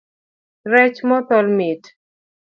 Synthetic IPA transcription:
ɾɛt͡ʃmɔt̪ɔlmit

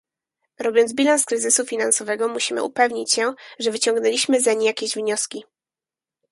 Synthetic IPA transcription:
ɾɔbʲjɔnd̪bʲilanskɾɘzɘsufʲinansɔvɛɡɔmuɕimɘ̰ṵpɛvɲit͡ɕɕɛʐɛvɘt͡ɕɔŋɡnɛlʲiɕmɘzaɲijakʲeʑvɲɔskʲi

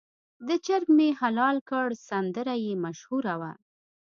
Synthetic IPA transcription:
d̪ət͡ʃaɾmmehalɑlkəɽsand̪əɾajemaʃhuɾawa̰

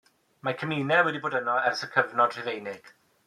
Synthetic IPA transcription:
makʰəmiːnɛwɛdiboːdənɔɛrsəkʰəvnɔd̥r̥ɪvejnɪɡ̥

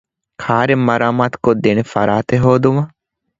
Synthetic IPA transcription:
kʰaːɾemːɐɾaːmaːt̪kod̪enefɐ̰ɾaːt̪eɦoːd̪umɐ

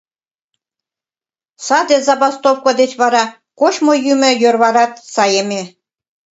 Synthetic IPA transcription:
sɑd̪ʲĕzɑbɑst̪ofkŏd̪et͡ɕβɑɾɑ | koʃmojymɘ̆jørβɑɾɑt̪sɑjemʲe

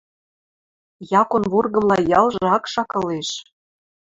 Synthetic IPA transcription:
jɑkonβurɣɤ̆mlɑjɑlʒɤ̆ɑkʃɑkɤ̆leʃ

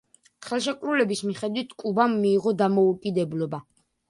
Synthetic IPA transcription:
χɛlˠʃ̬ɛkʼɾulɛbismiχɛd̪wit̪ʰkʼubamːiːʁɔd̪amɔukʼid̪ɛblɔba

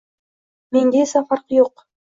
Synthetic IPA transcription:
me̞ŋɡʲesafɑɾqjoq

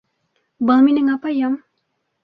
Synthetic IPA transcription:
bəlmineŋapajam

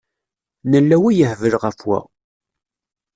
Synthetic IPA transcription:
nəlːæwijəhvəlʁəfwæ̰

